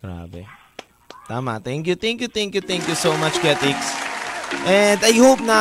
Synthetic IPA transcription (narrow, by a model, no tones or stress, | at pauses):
ɡ̥ɹa̰bḛ | t̪ama̰t̪ɛ̃ŋkjut̪ɛ̃ŋkjut̪ɛ̃ŋkjut̪ɛ̃ŋkjusoʊmʌt͡ʃɡɛt̪ɪks | ʔɛ̃ndajhop̚na